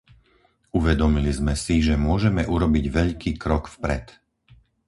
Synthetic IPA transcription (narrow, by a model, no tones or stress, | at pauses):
uʋɛd̪ɔmilizmɛsiʒɛmʊɔʒɛmɛʔuɾɔbiɟʋɛʎkiːkɾɔkfpɾɛ̰t̪